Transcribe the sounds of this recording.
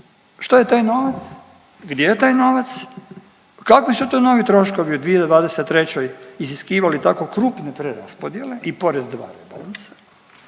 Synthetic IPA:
ʃt̪ojet̪aːjno̞ʋat̪s | ɡd̪jejet̪aːjno̞ʋat̪s | kakʋisut̪ono̞ʋit̪ɾo̞ʃko̞ʋiud̪ʋijeed̪ʋaːd̪eset̪ːɾet͡ɕojiziskiːʋalit̪ako̞kɾuːpnepɾeɾa̰spod̪je̞le̞ʔipo̞ɾed̪d̪ʋa̰ːɾebolansḁ

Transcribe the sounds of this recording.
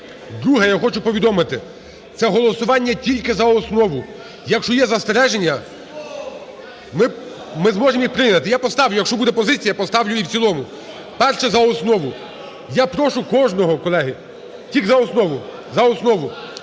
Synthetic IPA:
d̪ɾuɦɛjaxɔt͡ʃʊpɔʋʲid̪ɔmɪt̪ɪ | t̪sɛɦɔlˠɔsʊʋɑnʲːɐtʲilʲkɪzɐɔsnɔʋʊ | jɐkʃt͡ʃɔjɛzɐst̪eɾɛʒenʲːɐ | mɪ | mɪzmɔʒemjixpɾɪnɐt̪ɪjapɔst̪ɑwlʲʊjɐkʃt͡ʃɔbud̪ɛpɔzɪt͡sʲijɐpɔst̪ɑwlʲʊiwt͡sʲsʲilˠɔmʊ | pɛrʃɛzɐɔsnɔʋʊ | japɾɔʃʊkɔʒnɔɦɔkɔlˠɛɦɪ | tʲiɡzɐɔsnɔʋʊ | zɐɔsnɔʋʊ

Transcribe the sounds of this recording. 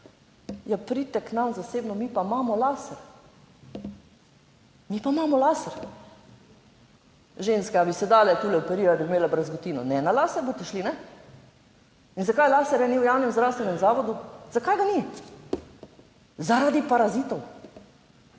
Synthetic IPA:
japɾiːt̪ɛknamzaseːbnɔmipamaːmɔlaːsɛɾ | mipamaːmɔlaːsɛɾ | ʒeːnskɛabisɛd̪aːlɛt̪uːlɛɔpɛɾiːɾad̪abimeːlabɾɛzɡɔt̪iːnɔnɛnalaːsɛɾboːt̪ɛʃlinɛ | inzakajlaːsɛɾjaniwjawnɛmzd̪ɾawst̪ʋɛnɛmzaːʋɔd̪uz̥akajɡani | zaɾad̪ipaɾazit̪ɔw

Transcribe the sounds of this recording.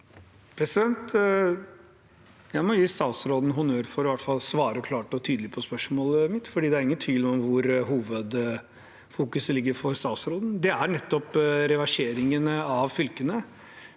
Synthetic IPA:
pʰɾɛsɪd̪ɛnt̪ | jæɪmɔjiːst̪ɑːsɾoːd̪n̩ɦʊnøːɾfɔɾʋæʈfɑlsʋɑːɾəɔkʰlɑːʈɔt̪ʰyːd̪əlɪpʰɔspœʂmoːləmɪt̪fɔɖiːd̪ɛæɾɪŋːənt̪ʰʋiːlɪɔmʋʊɾɦuːʋəd̪ | fuːkʉsəlɪɡːəɾfɔɾst̪ɑːt̪sɾoːd̪n̩d̪ɛæɳɛt̪ːɔpɾɛʋɑʂeːɾɪŋənɑʋfʏlkənə

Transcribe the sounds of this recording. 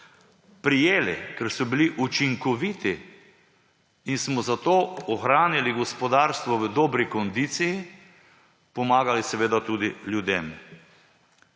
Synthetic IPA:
pɾijeːlɛkɛɾsɔbiliʔut͡ʃiŋkɔʋiːt̪i | insmɔzat̪oːɔxɾaːniliɡɔspɔd̪aːɾst̪ʋɔʋəd̪ɔːbɾikɔnd̪iːt̪siji | pɔmaːɡalisɛʋeːd̪at̪uːd̪ilʲjud̪em

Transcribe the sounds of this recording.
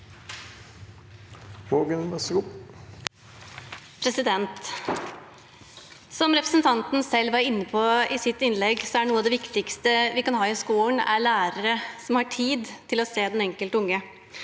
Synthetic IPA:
ʋoːɡənməsɾʊp | pʰɾɛsɪd̪ɛnt̪ | sɔmɾɛpɾəsnt̪ʰɑnt̪n̩sɛlːʋɑɾɪnːəpʰoɪsɪt̪ːɪnlɛɡsɔæɖnuːəɑd̪ɛʋɪkt̪ɪkst̪əʋɪkɑnhɑːɪskuːln̩æ̰ɭæːɾəɾəsɔmhɑʈʰiːd̪t̪ʰɪlɔseːd̪ɛnɛŋkəlt̪əʊŋːə

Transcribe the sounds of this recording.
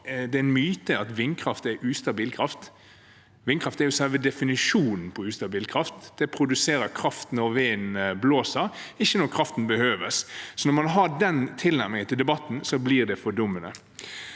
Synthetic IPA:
d̪ɛæɛnmyːt̪əɑt̪ʋɪnkʰɾɑft̪æɾʔʉːst̪ɑbiːlkʰɾɑft̪ | ʋɪnkɾɑft̪æɾjʊsɛlʋəd̪ɛfɪnɪʂuːnn̩pʰɔʉːst̪ɑbiːlkʰɾɑft̪d̪̥ɛpʰɾʊd̪ʉseːɾəɾkʰɾɑft̪nɔɾʋeːnbloːsəɾɪçːənɔɾkʰɾɑft̪n̩bəhøːʋəssɔnɔɾmɑnɦɑɖɛnt̪ʰɪlnæʁmɪŋənt̪ɪld̪ɛbɑt̪ːn̩sɔbliːʁd̪ɛfɔɖʊmːənə̰

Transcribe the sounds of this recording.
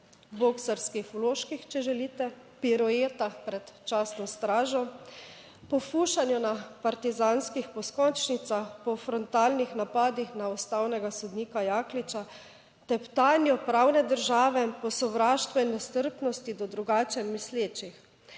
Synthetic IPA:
boksaɾskixɔloːʃkixt͡ʃɛʒɛliːt̪ɛ | piɾɔeːt̪axpɾɛt̪t͡ʃaːsnɔst̪ɾaːʒɔ | pɔfuːʃanjunapaɾt̪izaːnskixpɔskɔnt͡ʃnit̪saxpɔfɾɔnt̪aːlnixnapaːd̪ixnaɔst̪aːwnɛɡasɔd̪niːkajaːklit͡ʃa | t̪ɛpt̪aːnjɔpɾaːwnɛd̪əɾʒaːʋɛpɔsɔʋɾaːʃt̪ʋɔinːɛst̪əɾpnɔst̪id̪ɔd̪ɾuɡaːt͡ʃɛmːisleːt͡ʃix

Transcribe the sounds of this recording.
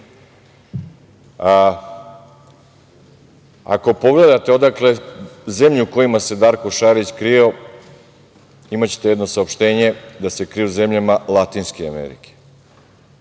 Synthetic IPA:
a̰ko̞po̞ɡle̞d̪at̪eo̞d̪akle̞ze̞mʎuuko̞jimase̞d̪aɾko̞ʃaɾit͡ɕkɾio̞ | imat͡ɕe̥t̪e̞jed̪no̞saopʃt̪e̞ːɲe̞d̪ase̞kɾiuze̞mʎamalˠat̪iːnskeamḛɾḭke̥

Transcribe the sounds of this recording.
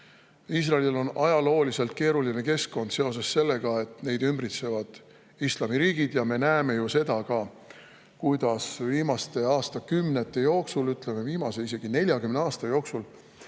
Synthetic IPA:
iːs̬rɑelilo̞nɑjɑlo̞ːlise̞lt̪̚ke̞ːɾuline̞ke̞skko̞nd̪se̞o̞s̬e̞sse̞lːe̞ɡ̥ɑe̞t̪ˑne̞jd̪ymbrit̪se̞vɑd̪̥ | islɑmiɾiːɡ̥id̪jɑme̞næeme̞juse̞d̪̥ɑkɑ | kujd̪̥ɑsviːmɑst̪e̞ɑːst̪ɑkymne̞t̪ˑːe̞jo̞ːksulyt̪ˑle̞me̞viːmɑse̞ise̞ɡ̥ine̞lʲjɑkymneɑːst̪ɑjo̞ːksul

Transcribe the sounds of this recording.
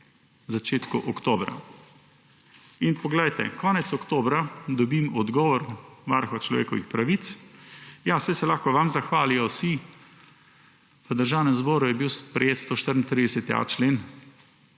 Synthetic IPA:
zat͡ʃeːt̪kuʔɔkt̪oːbɾa̰ | inpɔɡlɛjt̪ɛ̰kɔːnɛt̪sɔkt̪oːbɾad̪ɔbimɔd̪ɡɔːʋɔɾʋaɾxɔt͡ʃlɔ̰ʋḛːkɔʋixpɾaʋit̪s | jasɛjsɛlaxkɔʋamzaxʋaːlijɔsi | ʋəd̪əɾʒaːwnɛmzboːɾujɛbiwspɾɛjeːt̪st̪oːʃt̪əɾn̩t̪ɾid̪ɛsɛt̪ja̰t͡ʃleːn

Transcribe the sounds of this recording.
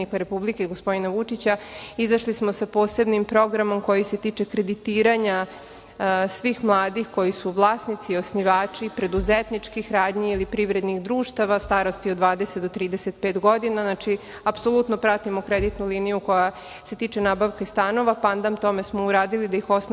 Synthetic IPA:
ikaɾe̞publikeiɡospo̞d̪inaʋut͡ʂit͡ɕaizaʃlismo̞sapo̞ːse̞bnimpɾo̞ɡɾamo̞mko̞jise̞t̪iːt͡ʂe̞kɾe̞d̪it̪iːɾaɲa | sʋiːxmlˠaːd̪ixko̞jisuʋlˠaːsnit̪sio̞sniʋaːt͡ʂipɾe̞d̪uzet̪nit͡ʂkixɾaːd̪ɲiilipɾiʋɾe̞d̪nixd̪ɾuːʃt̪aʋast̪aːɾo̞st̪iod̪ʋaːd̪e̞set̪d̪ot̪ɾiːd̪eset̪̚peːt̪ɡo̞d̪inaznat͡ʃi | apso̞lˠut̪no̞pɾat̪imokɾed̪it̪nulinijuko̞ja | se̞t̪iːt͡ʂe̞naːbaʋkast̪ano̞ʋapand̪amt̪o̞me̞smouɾaːd̪ilid̪aixo̞sn

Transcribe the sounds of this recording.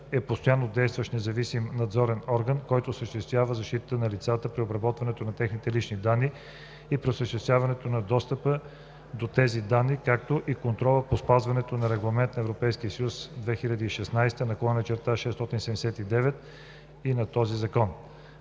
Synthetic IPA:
ɛpost̪ojanːod̪ɛjst̪vəʃnɛzɐvisimnɐd̪zɔɾɛnɔɾɡənkɔjt̪osəʃt̪ɛst̪vʲjavəzɐʃt̪it̪ət̪ənɐlit̪sat̪əpɾiobɾɐbɔt̪vɐnɛt̪onɐt̪ɛxnit̪ɛlit͡ʃnid̪anːi | ipɾiosəʃt̪ɛst̪vʲjavɐnɛt̪onɐd̪ɔst̪əpə | d̪ot̪ɛzid̪anːikak̚t̪oʔikont̪ɾɔlˠəpospazvɐnɛt̪onɐɾɛɡlˠɐmɛnt̪nɐɛvɾopɛjskiəsəjusd̪vɛxiʎʲɐd̪əiʃɛsnajst̪ənɐkolˠɛnət͡ʃɛɾt̪aʃɛst̪ɔt̪insɛd̪d̪ɛsɛt̪id̪ɛvɛt̪ | inɐt̪ɔzizɐkɔn

